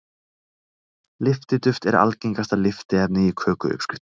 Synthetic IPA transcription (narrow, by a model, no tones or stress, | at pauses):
lɪft̪ɪt̪ʏft̪ɛɾa̰lceŋkast̪aðlɪft̪ɪɛp̚nɪikʰœːkʏ̰ʏ̰pscɪ̥ft̪